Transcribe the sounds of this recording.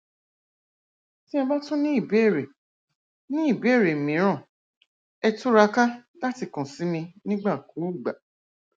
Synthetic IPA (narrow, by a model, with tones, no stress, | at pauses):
tĩ˦ã˧ba˦tũ˦nĩ˦i˦˨be˦˨ɾe˨ | nĩ˦i˦˨be˦˨ɾe˨mĩ˨˦ɾ̃ã˦˨ | ɛ˧tu˦ɾa˧ka˦la˦ti˦˨kɔ̃˨si˨˦mĩ˧nĩ˦ɡ͡ba˦˨ku˨˦u˦˨ɡ͡ba˨